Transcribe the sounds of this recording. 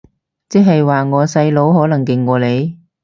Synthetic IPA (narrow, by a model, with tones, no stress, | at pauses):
t͡sɛː˥ɦɐ˨jwaː˨ŋɔː˨˧sɐ˧jlo˨˥whɔː˨˥lɐ˨˩ŋkɪ˨˩ŋːɔː˨˧le˨˧j